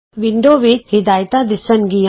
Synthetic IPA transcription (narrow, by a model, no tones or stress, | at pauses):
ʋɪɳɖoːʋɪt̪hɪd̪aːjt̪ãd̪ɪsənɡi